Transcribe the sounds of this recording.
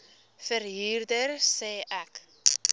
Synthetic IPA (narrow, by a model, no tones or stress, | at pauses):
fəɾɦiːrdərsɛːʔæk